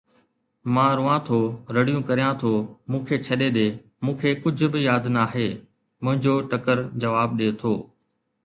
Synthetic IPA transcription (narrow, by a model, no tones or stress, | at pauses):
mãːɾʊːãt̪ʰoːɾɐɽijũkɐɾijãt̪ʰoːmũːkʰeːt͡ɕʰɐɗeɗeː | mũːkʰeːkʊd͡ʑʱʊ̆bɪjaːd̪naːɦeː | mʊ̃ɦɪ̃ɲd͡ʑoːʈɐkəɾd͡ʑɐʋaːb̚ɗeːt̪ʰoː